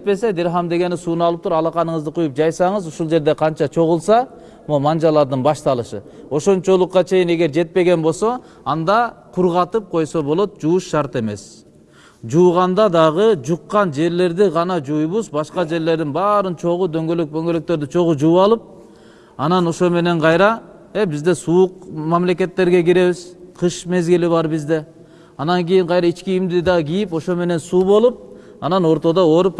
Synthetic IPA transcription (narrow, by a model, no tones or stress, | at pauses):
et̪̚pe̞se̞d̪iɾɦɑmd̪e̞ɡe̞nisuːnɑlˠɯp̚t̪ʰuɾɑlˠɑqɑnɯɴɯzd̪ɯqʰujup̚d͡ʒɑjsɑɴɯzuʃulˠd͡ʒe̞ɾd̪e̞qʰɑnt͡ʃɑt͡ʃʰo̞ʁulˠsɑ | momɑnd͡ʒɑlˠɑɾd̪ɯnbɑʃt̪ɑlˠɯʃɯ̰o̞ʃo̞nt͡ʃolˠuqːɑt͡ʃʰe̞jine̞ɡe̞ɾd͡ʒe̞t̪̚pe̞ɡe̞nbo̞lˠso̞ | ɑnd̪ɑqʰuɾʁɑt̪ɯp̚qʰo̞jso̞bolˠo̞t̪̚d͡ʒuuʃʃɑɾt̪e̞me̞s | d͡ʒuːʁɑnd̪ɑd̪ɑʁɯd͡ʒuqːɑnd͡ʒe̞ɾle̞ɾd̪iʁɑnɑd͡ʒujβuzbɑʃqɑd͡ʒe̞ɾle̞ɾd̪inbɑːɾɯnt͡ʃʰo̞ʁud̪ø̞ŋɡøløk̚b̪øŋɡøløk̚t̪ø̞ɾd̪yt͡ʃʰo̞ʁud͡ʒuɑlˠɯp̚ | ɑnɑno̞ʃome̞ne̞ɴqʰɑjɾɑ | ebizd̪e̞suuqmɑmle̞ke̞t̪ːe̞ɾɡe̞ɡiɾe̞βiz̥qʰɯʃme̞zɡiliβɑɾbizd̪e̞ | ɑnɑŋkijiɴqɑjɾɑit͡ʃkiːmd̪id̪ɑɡʲijipo̞ʃo̞me̞ne̞nsuːβo̞lˠup̚ | ɑnɑno̞ɾt̪o̞d̪oo̞ɾup